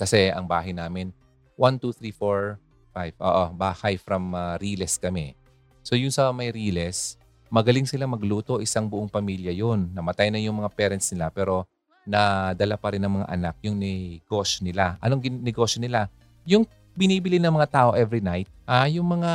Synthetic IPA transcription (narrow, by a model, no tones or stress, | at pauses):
kɐsɛɐŋbaːɦɐjnaːmɪn | want̪uθɾifoɹ | fajv̥ʔo̰ːʔobaːhajfɾɐmɐɾiːlɛskɐmɛ̰ | so̞jʊnsɐmɐjɾiːlɛs | mɐɡɐlɪŋsɪlamɐɡluːt̪o̞ʔɪsaŋbʊʔoŋpɐmiljɐjonːɐmɐt̪ajnɐjʊŋmɐŋapɛɾɐnt̪snɪlapɛːɾo̞ | nɐd̪ɐlapɐɾɪnːɐŋmɐŋa̰ʔɐnak̚jʊŋnɛɡ̥o̞ʃjonɪlaʔɐ̰noŋɡɪnɛɡo̞ːʃjonɪla | jʊŋ | bɪniːbɪlinɐŋmɐŋat̪aːʔo̞ʔɛvɾinajt̪̚ʔajʊŋmɐŋa